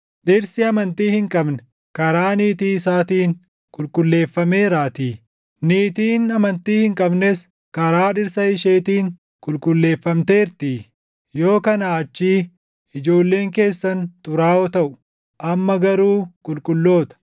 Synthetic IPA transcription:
ᶑɪɾsɪɐmɐnt̪iːhɪŋkʼɐbnɛ̥ | kɐɾaːniːt̪iːɪsaːt̪iːŋ | kʼʊlkʼʊlːe̞ːfːɐme̞ːɾaːt̪iː | niːt̪iːnɐmɐnt̪iːhɪŋkʼɐbnes | kɐɾaːᶑɪɾsɐɪʃe̞ːt̪iːŋ | kʼʊlkʼʊlːe̞ːfːɐmt̪eːɾt̪i | jo̞ːkɐnaːɐt͡ʃːiː | ɪd͡ʒo̞ːlːe̞ːŋke̞ːsːɐnt̪ʊɾaːɔt̪ɐʔʊ | ʔɐmːɐɡɐɾuːkʼʊlkʼʊlːo̞ːt̪ɐ̥

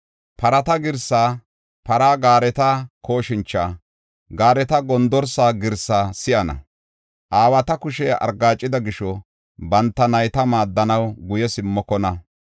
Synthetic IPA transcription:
pɐɾɐt̪ɐɡɪɾsaː | pɐɾaːɡaːɾɛt̪ɐkoːʃɪnt͡ʃːaː | ɡaːɾɛt̪ɐɡɔnd̪ɔɾsaːɡɪɾsaːsɪʔɐnɐ̰ | ʔaːwɐt̪ɐkʊʃɛɐ̰ɾɡaːt͡ʃʼːɪd̪ɐɡɪʃɔ | bɐnt̪ːɐnɐjt̪ɐmaːd̪ːɐnɐwɡʊjɛsɪmːɔkɔnɐ

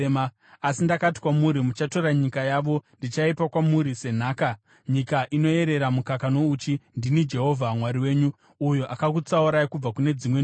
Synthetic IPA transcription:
ma | asindakati̥kwamuɾimut͡ʃato̞ɾaɲikajaːʋo̞ndit͡ʃaipakwamuɾise̞n̤aːka | ɲikaʔino̞e̞ɾe̞ɾamukakano̞ut͡ʃindinid͡ʒe̞ɦo̞vʱamwaɾiwe̞ːɲu | ujoʔakakut͡sauɾajkub͡vakune̞d͡zimwe

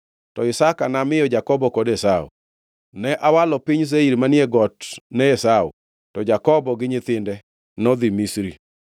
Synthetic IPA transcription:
tɔɪsakanamɪjɔd͡ʒakɔbɔkɔdɛsaṵ | nɛʔawalɔpɪɲs̬eiɾmanjɛɡɔtnɛɛsaṵ | tɔd͡ʒakɔbɔɡɪɲɪt̪ɪndɛ | nɔd̪ɪmisɾi

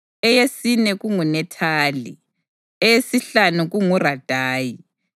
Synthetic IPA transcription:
ɛjesinɛɣuŋunɛtʰaːli | ɛjesiɬanuɣuŋurad̥ʱaːji

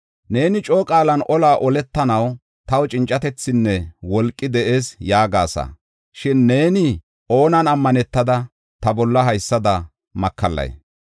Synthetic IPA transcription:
ne̞ːnɪt͡ʃʼoːkʼaːlɐnɔlaːʔɔlɛt̪ːɐnɐw | t̪ɐwt͡ʃʼɪnt͡ʃʼːɐt̪ɛt͡sːɪnːɛwɔlkʼːɪd̪ɛʔe̞ːsjaːɡaːsɐ̰ | ʃɪnːe̞ːnɪ | ʔo̞ːnɐnɐmːɐnɛt̪ːɐd̪ɐ | t̪ɐbɔlːɐɦɐjsːɐd̪ɐ | mɐkʰːɐlːɐ̰j

